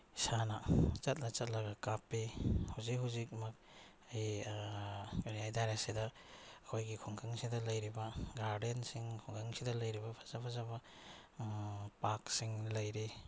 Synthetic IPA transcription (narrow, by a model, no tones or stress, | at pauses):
sanɐt͡ʃɐt̬̚nɐt͡ʃɐt̚lɐɡɐkapːihawzikɦawzikmɐk̚ | aj | ɾijajdaɾesidɐː | kʰojɡikʰuŋkʰaŋsidɐlɐjɾibɐɡaɾdensiŋkʰɔŋkʰaŋsidɐlɐjɾibɐpʰḁzapʰazabɐ | paksiŋlɐjɾi